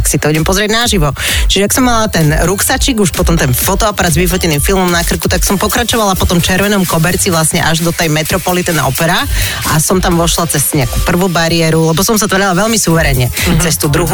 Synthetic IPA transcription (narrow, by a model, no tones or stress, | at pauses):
aksit̪ɔuɟɛmpɔzɾɪɛɟnaʒiʋɔt͡ʃiʒɛaksɔmːalat̪ɛnɾuksat͡ʃiɡuʃpɔt̪ɔmt̪ɛnfɔt̪ɔapaɾaːd̪zʋifɔcɛnifilˠmɔmnakr̩kut̪aksɔmpɔkɾat͡ʃɔʋalapɔt̪ɔmt͡ʃɛɾʋɛnɔmkɔbɛɾt͡siʋlasɲɛʔaʒd̪ɔt̪ɛjmɛt̪ɾɔpɔlit̪ɛnʔɔ̰pɛɾaʔasɔmt̪amʋɔʃlat͡sɛsɲɛakuːpr̩ʋubaɾiɛɾulɛbɔsɔmsat̪ʋaɾalaʋɛlmisuʋɛɾɛɲɛt͡sɛst̪uːd̪ɾuɦu